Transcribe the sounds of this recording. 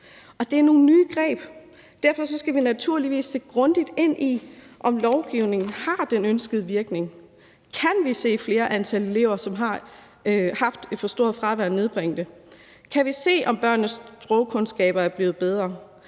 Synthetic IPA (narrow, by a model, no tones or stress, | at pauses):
ʔɒ̽d̥e̝æɐno̝ːn̩ːyːɡ̥ʁɛ̰ːb̥ | d̥æɐfɒ̽s̬ɒ̽sɡ̥æʋinæt͡sʰuɐ̰liʋḭːsse̝̰ːɡ̥ʁɔ̽nd̥id̥e̝n̰ʔiʔɒ̽mlɒʊɡ̥iʊne̝ŋn̩hɑ̈d̥enønsɡ̥əðˠʋiɐɡ̥ne̝ŋ | kʰænʋise̝̰ːfle̝ːɐʔænt͡sʰælele̝ʊ̰ɐsɒ̽mɦɑ̈ | hɑ̈fd̥fɒ̽sd̥o̝ɐ̰fʁɑ̈ʋæɐne̝ðˠb̥ʁeŋ̰d̥ə | kʰæʋise̝̰ːʔɒ̽mb̥ɶɐ̰nːəsb̥ʁɔʊkʰɔ̽nsɡ̥ɛ̰ːb̥ɐæɐb̥le̝ːð̩ˠb̥eð̞ˠʁɐ